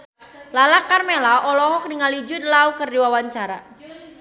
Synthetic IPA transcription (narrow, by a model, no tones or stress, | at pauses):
lalakarmelaʔɔlɔɦɔk̚niŋalid͡ʒudlaukərdiwawaɲt͡ʃaɾa